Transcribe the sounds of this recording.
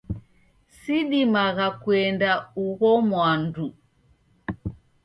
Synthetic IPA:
siɗimaɣakuɛndauɣɔmwandu

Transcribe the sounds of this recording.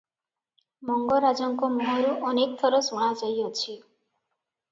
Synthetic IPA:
mɔŋɡɔɾad͡ʒɔŋkɔmuɦɔɾuʔɔnekt̪ʰɔɾɔsuɽ̃ad͡ʒɔjɔt͡ʃʰi

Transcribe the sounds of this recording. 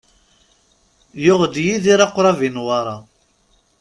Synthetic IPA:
jʊʁd̪jiðiɾaqɾˤɑvinwɑɾˤɑ

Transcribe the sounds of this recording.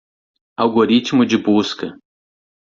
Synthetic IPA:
awɡoɾit͡ʃmʊd͡ʒɪbuskɐ

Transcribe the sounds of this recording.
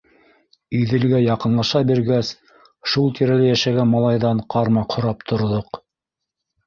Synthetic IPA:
ɵ̆jðɘ̆lɡæjɑqɤ̆nlˠɑʃɑbiɾɡæs | ʃulˠt̪ʰiɾælɘjæʃæɡænmɑlˠɑjðɑɴqɑɾmɑqʰŏɾɑpt̪ʰŏɾðoq

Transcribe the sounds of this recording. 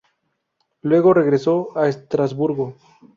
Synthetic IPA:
lwe̞ɣo̞re̞ɣɾe̞soaest̪ɾazβuɾɣo

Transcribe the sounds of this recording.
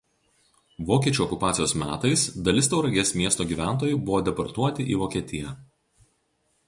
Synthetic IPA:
ʋoːkʲiɛt͡ʃʲuːɔkʊpɑːsʲɪjoːsmʲæːt̪ɐɪsd̪ɐlʲɪst̪ɐʊɾɐɡʲeɛsmʲiɛst̪oːɡʲiːʋʲæˑnˑt̪oːjʊˑbʊʋoːd̪ʲɛpɐɾt̪uɔt̪ʲɪʔiːʋoːkʲiɛt̪ʲɪjɛ

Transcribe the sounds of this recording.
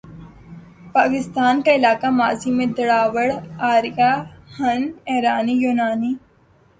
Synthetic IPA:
paːkɪst̪aːnkaɪlaːkama̰ːzimẽd̪ɐɽaːʋəɽaːɾjahɐnɛɦɾaːnijuːnaːni

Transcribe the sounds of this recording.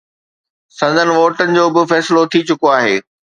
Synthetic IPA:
sɐ̃nd̪ʱənɪ̆ʋoːʈənɪ̆d͡ʑoːbɪfɛːsɪlot̪ʰit͡ɕʊkoaːɦeː

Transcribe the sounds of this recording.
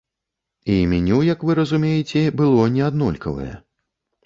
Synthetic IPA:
imʲinʲuwjɐkvɨɾɐzumʲejɛt͡sʲɛbɨlˠɔnʲɛad̪nɔlʲkɐvɐ̰jɛ̰

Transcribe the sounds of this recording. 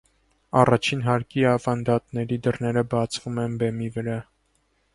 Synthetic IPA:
ɑrɑt͡ʃʰinɦɑɾkiɑvɑnd̪ɑt̪nɛɾid̪ərnɛɾəbɑt͡sʰv̥umɛnbɛmivəɾɑ

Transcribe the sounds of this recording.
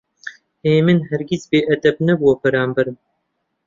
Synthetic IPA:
eːmɨnɦɐɾɡʲizbeːʔɐd̪ɐbnɐbuwɐpɐɾaːmbɐɾɨm

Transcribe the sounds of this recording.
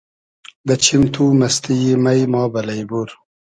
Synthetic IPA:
d̪ɐt͡ɕʰimt̪ʰumɐst̪ijimɐjmɑːbɐlɐjbuɾ

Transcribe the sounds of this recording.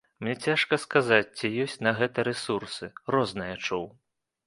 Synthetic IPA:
mnʲɛt͡sʲaʂkɐskazat͡sʲt͡sʲijɔsʲt͡sʲnɐɣɛt̪ɐɾɛsursɨrɔznɨjɐt͡ʂuw

